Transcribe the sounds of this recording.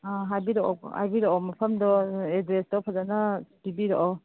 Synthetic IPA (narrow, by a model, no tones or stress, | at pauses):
aɦajbiɾɔɔ̰a̰jbiɾɔɔmɐpʰɐmdɔedɾesdɔpʰazanabibiɾɔʔɔ